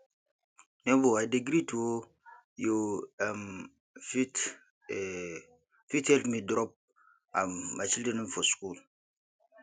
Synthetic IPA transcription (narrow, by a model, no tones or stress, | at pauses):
nɛboajdeɡɾituo | joam | fit | fitɛltmidɾɔp̚ | aːat͡ʃildeninfoskul